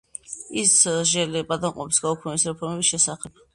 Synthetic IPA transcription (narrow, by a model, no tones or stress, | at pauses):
isʒɛlɛbʼad̪anqʼɔpʰi̥sɡaukʰnɛbisɾɛpʰɔɾmɛbisʃɛsaχɛb̥̚